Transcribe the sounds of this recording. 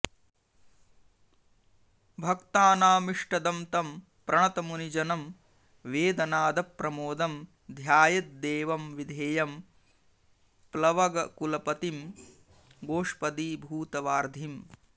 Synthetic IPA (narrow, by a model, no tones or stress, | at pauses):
bʱɐkt̪aːnaːmiʂʈɐd̪ɐmt̪ɐm | pɾɐɳɐt̪ɐmunid͡ʒɐnɐm | ʋeːd̪ɐnaːd̪ɐpːɾɐmoːd̪ɐm | d̪ʱjaːjɐt̪̚d̪eːʋɐmʋid̪ʱeːjɐm | plɐʋɐɡɐkulɐpɐt̪im | ɡoːʂpɐd̪iːbʱuːt̪ɐʋaːɾd̪ʱim